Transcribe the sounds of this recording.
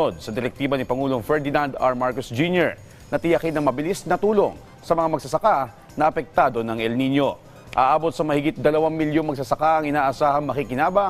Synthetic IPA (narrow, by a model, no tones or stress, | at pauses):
od̪̚sɐd̪ɛɾɛk̚t̪iːbɐnɪpɐŋuːlo̞fɛɹd̪ɪnand̪ɐ̰ɹmaɹkosd͡ʒunjɛɹ | nɐt̪ɪjɐkɪnɐŋmɐbɪlisnɐt̪uːlo̞ŋ | sɐmɐŋamɐɡsɐsɐka | nɐʔɐpɛk̚t̪aːd̪o̞nɐŋʔɛlninjo̞ | ʔa̰ːʔaːbo̞t̪̚sɐmɐhɪɡɪt̪̚d̪ɐlɐwaŋmɪljoŋmɐɡs̬ɐsɐkaʔɐŋʔɪnaːʔɐsaːhɐŋmɐkikɪnaːbɐ